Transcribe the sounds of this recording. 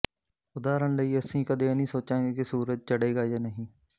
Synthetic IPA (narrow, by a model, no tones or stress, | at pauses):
ʊd̪aːɾəɳləiːəsĩːkəd̪ẽːnĩːsoːt͡ʃãːɡeːkɪsuːɾəd͡ʒ̚t͡ʃəɽeːɡaːd͡ʒaːnəɦĩː